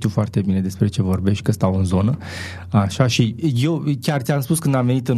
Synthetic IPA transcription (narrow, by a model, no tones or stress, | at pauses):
t̪iufoart̪e̞bine̞d̪e̞spɾe̞t͡ʃe̞vo̞rbe̞ʃt̪̚ʲkəst̪awɨnzo̞nə | aʃaʃije̞wkʲart̪sʲamspuskɨnd̪amve̞nit̪ɨn